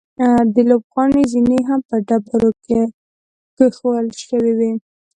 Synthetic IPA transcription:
d̪əlobɣɑnezineɦampəɖabaɾoke | kəxowəlʃəwiwi

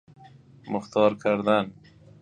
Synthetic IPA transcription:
mʊxt̪ɑɾkʰaɾd̪an

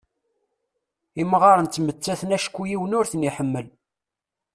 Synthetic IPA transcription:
iməʁɑɾˤənt̪ːmət͡sːæθənæʃkʷːujiwənʊɾθəniħəmːəl

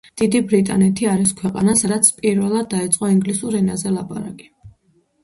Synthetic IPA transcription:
d̪̥id̪ibɾit̪ʼa̰nɛt̪ʰiaɾiskʰwɛqʼa̰nasad̪at̪sʰpʼiɾvɛlˠad̪̚ːait̪sʼqʼɔiŋɡlisuɾɛnazɛlˠapʼa̰ɾa̰kʼi̥

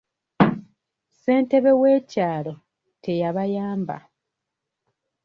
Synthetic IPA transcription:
se̞ːnte̞βe̞we̞ːcaːlo̞ | tʰe̞jaβajaːmba̰

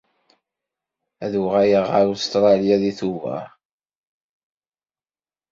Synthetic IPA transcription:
æðuʁæjəʁəɾust̪ɾˤɑljaðiθuvæ̰

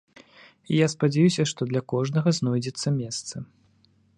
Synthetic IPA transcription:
ijaspad͡zʲajusʲɐʂt̪ɔd̪lʲɐkɔʐnɐɣɐznɔjd͡zʲɛt̪sːɐmʲɛst̪sɐ

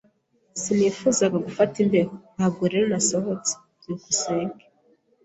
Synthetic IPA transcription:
sinifuzaɡaɡufatimbeɾohaɡuɾeɾenasohot͡se̥ | ikuseːŋɡe̥

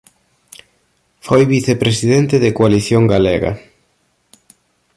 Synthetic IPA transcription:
fojβiθepɾesiðent̪eðekoaliθjoŋɡaleɣɐ̰

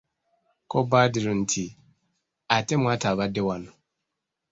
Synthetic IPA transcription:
kʰɔbaːdɪɾʊ̃n̩tʰi | atɛmʊ̃atʰaːbadɪwanʊ̃

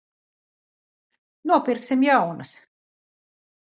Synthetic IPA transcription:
nuɔpʲiɾksʲimjawnɨs

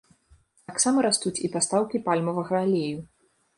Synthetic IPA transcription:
t̪aksamɐɾast̪ut͡sʲipast̪awkʲipalʲmɐvɐɣɐːlʲeju

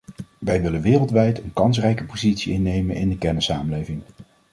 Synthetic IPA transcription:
ʋɛjʋɪlənʋɪːrəlˠtʋɛjtənkɑns̬rɛjkəpozitsiɪnːejmənɪ̰ndəkɛɹnəsːaːməlejvɪŋ

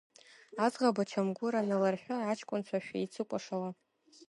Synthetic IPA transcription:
azʁabat͡ʃʰamɡʷʊɾanalarħᶣaat͡ʃʰkʷʼʊnt͡ɕʷʰaʃᶣait͡sʰɨkʷʼaʂawa

